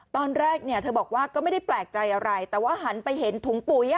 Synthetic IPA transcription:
t̪ɔː˧nɾɛː˥˩k̚ni˥˩t̪ʰɤː˧bɔː˨˩k̚waː˥˩kɔː˥˩ma˥˩da˥˩jplɛː˨˩k̚t͡ɕa˧jʔa˧ɾa˧jt̪ɛː˨˩waː˥˩ɦa˦npa˧jɦe˩˦nt̪ʰu˨˩˦ŋpu˨˩˦ja˧

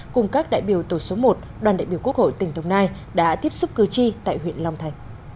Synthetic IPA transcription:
kʊ˨˩ŋ͡mkaː˦˥k̚ɗa̰ː˧˨jɓi˧˩əwt̪o˧˩so˨˦mo˨˩t̚ɗwaː˨˩nɗa̰ː˧˨jɓi˧˩əku˦˥ək̚ho̰˧˨jt̪ï˨˩ŋ̟t̪ʰə˨˦wŋ͡mnaː˧j | ɗa̰ː˧˥t̪i˦˥əp̚sʊ˦˥p̚kɨ˨˩t͡ɕi˧t̪a̰ː˧˨jɦwḭ˧˨ənla˧wŋ͡mt̪ʰa˨˧˩jŋ̟

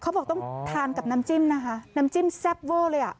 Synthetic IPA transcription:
xʰŋ͡mbɔː˨˩t̪ɔ˧˨ŋt̪ʰaː˧˩nka˨˩p̚na˧mt͡ɕi˧˩mna˧ɦa˧na˧˥mt͡ɕi˧˥˨msɛ˦˥p̚vəː˧˩ləː˧jʔaː˨˩ʔ

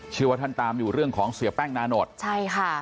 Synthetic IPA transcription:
t͡ɕʰɯː˥˩waː˧t̪ʰa˥˩nt̪aː˧mjuː˨˩ɾɯ˥˩əŋkʰɔː˩˦ŋsi˨˦əpɛ˥˩ŋnaː˧˥no˨˩t̪̚t͡ɕʰa˥˩jkʰa˥˩

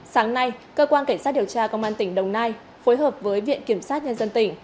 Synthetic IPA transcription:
saː˨˦ŋna˧jkəː˧kwaː˧nka˧˩ŋ̟saː˦˥t̚i˨˩əwt͡ɕaː˧kə˧wŋ͡mʔaː˧nt̪ï˧˩ŋ̟ɗə˨˩wŋ͡mnaː˧j | fo˨˦jɦəː˨˩p̚vəː˨˦jvḭ˧˨ənki˧˩əmsaː˦˥t̚ɲə˧nzə˧nt̪ï˧˩ŋ̟

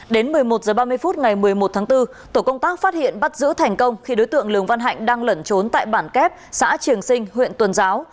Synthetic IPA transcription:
ɗe˨˦nmɨ˨˩əjmo˨˩t̚zəː˨˩ɓaː˧mɨ˧əjfu˦˥t̚ŋa˨˩jmɨ˨˩əjmo˨˩t̚t̪ʰaː˨˦ŋt̪ɨ˧ | t̪o˧˩kə˧wŋ͡mt̪aː˦˥k̚faː˦˥t̚hḭ˧˨ənɓa˦˥t̚zɨ̰˧˥t̪ʰɛ˨˩jŋ̟kə˧wŋ͡mxi˧ɗo˨˦jt̪ɨ̰˧˨əŋlɨ˨˩əŋva˧nɦa̰˧˨jŋ̟ɗaː˧ŋlə˧˩nt͡ɕo˨˦nt̪a̰ː˧˨jɓaː˧˩nkɛ˦˥p̚sa̰ː˧˥t͡ɕɨ˨˩əŋsï˧ŋ̟ɦwḭ˧˨ənt̪wə˨˩nzaː˨˦w

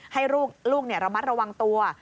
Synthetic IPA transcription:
ha˥˩jɾuː˥˩k̚ɾuː˥˩k̚ni˥˩ɐɾa˧ma˦˥t̪̚ɾa˧wa˧ŋt̪u˧ɐ˩

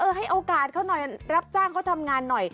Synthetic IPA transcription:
ʔɤː˧ɦa˥˩jʔoː˧kaː˨˩t̪̚kʰaː˥˩wnɔ˨˩jɾa˦˥p̚t͡ɕaː˥˩ŋkʰa˦˥˩t̪ʰa˧mŋaː˧nːɔ˨˩j

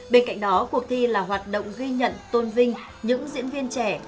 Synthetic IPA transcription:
ɓe˧nka̰˧˨jŋ̟ɗɔ˨˦ku˨˩ək̚t̪ʰi˧laː˨˩ɦwaː˨˩t̚ɗo̰˧˨wŋ͡mɣi˧ɲə̰˧˨nt̪o˧nvï˧ŋ̟ | ɲɨ̰˧˥ŋzḭ˧˥ənvi˧ənt͡ɕɛ˧˩

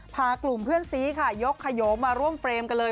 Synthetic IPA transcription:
pʰaː˧klu˨˩mpʰɯ˥˩ənsiː˦˥kʰa˥˩jo˦˥kʰːa˧joː˩˦˥mːaː˧ɾu˥˩əmfɾeː˧mka˧nlɤː˧

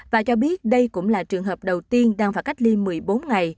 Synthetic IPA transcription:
vaː˨˩t͡ɕɔ˧ɓi˦˥ət̚ɗə˧jkʊ̰˧˥ŋ͡mlaː˨˩t͡ɕɨ˨˩əŋɦəː˨˩p̚ɗə˨˩wt̪i˧ənɗaː˧ŋvaː˨˩ka˦˥jk̚li˧mɨ˨˩əjɓo˨˦nŋa˨˩j

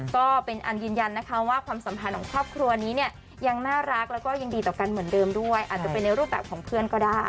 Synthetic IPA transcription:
kɔː˥˩pe˧nʔa˧njɯː˧nja˧nːa˦˥kʰa˦˥waː˥˩kʰwaː˧msa˩˦mpʰa˧nkʰɔː˩˦ŋkʰɾɔː˥˩p̚kʰɾu˧ɐniː˦˥ni˥˩ɐ | ja˧ŋnaː˥˩ɾa˦˥k̚lɛː˦˥wkɔː˥˩ja˧ŋdiː˧t̪ɔː˨˩ka˧nmɯ˩˦əndɤː˧mdu˥˩əjʔaː˨˩t̪̚t͡ɕa˨˩pe˧nːa˧jɾuː˥˩p̚bɛː˨˩p̚kʰɔː˩˦ŋpʰɯ˥˩ənkɔː˥˩daː˥˩j

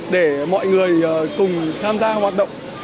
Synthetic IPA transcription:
ɗe˧˩mɔ̰˧˨jŋɨ˨˩əjkʊ˨˩ŋ͡mt̪ʰaː˧mzaː˧hwaː˨˩t̚ɗə̰˧˨wŋ͡m

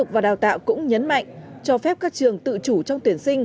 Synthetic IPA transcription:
ʊ˨˩k̚vaː˨˩ɗaː˨˩wt̪a̰ː˧˨wkʊ̰˧˥ŋ͡mɲə˨˦nma̰˧˨jŋ̟t͡ɕɔ˧fɛ˦˥p̚kaː˦˥k̚t͡ɕɨ˨˩əŋt̪ɨ̰˧˨t͡ɕu˧˩t͡ɕɔ˧wŋ͡mt̪wi˨˧˩ənsï˧ŋ̟

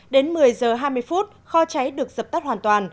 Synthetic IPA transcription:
ɗe˨˦nmɨ˨˩əjzəː˨˩ɦaː˧jmɨ˧əjfu˦˥t̚xɔ˧t͡ɕa˨˦jɗɨ˨˩ək̚zə˨˩t̪a˦˥hwaː˨˩nt̪waː˨˩n

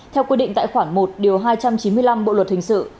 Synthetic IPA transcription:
t̪ʰɛ˧wkwi˧ɗḭ̈˧˨ŋt̪ːjxwaː˧˩ŋmo˨˩t̚ɗi˨˩əwɦaː˧jt͡ɕa˧mt͡ɕi˨˦mɨ˧əjla˧mɓo̰˧˨lwə˨˩t̚hï˨˩ŋ̟sɨ̰˧˨

